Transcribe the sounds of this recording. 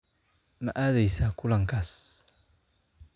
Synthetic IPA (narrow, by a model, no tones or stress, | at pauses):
ma̰ʔaðajsakulaŋkas